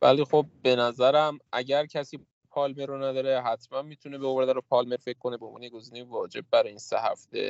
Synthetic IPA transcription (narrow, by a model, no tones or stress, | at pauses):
væ̰lixo̞b̚ːe̞næzæɾæmʔæɟæɾcʰæsiː | pʰɒːlmeɾonæd̪ɒːɾeɦæt̪ʰmænmiːt̪ʰunebeoɾd̪æɾopʰɒːlme̞ɾfe̞c̚kʰːo̞nebeonmvɒːneeɡo̞ziːnejivɒːd͡ʒe̞b̚ːæɾiːnsḛɦæ̰ft̪e̞̰